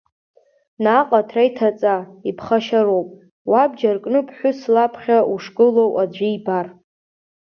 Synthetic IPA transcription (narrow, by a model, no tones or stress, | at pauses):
naqʼatʰrajtʰat͡sʼaipʰχaʃaɾowpʼ | wabd͡ʒarkʼnɨpʰħʷʊslapʰχʲauʂkʼɨlowʔad͡ʒʷijbar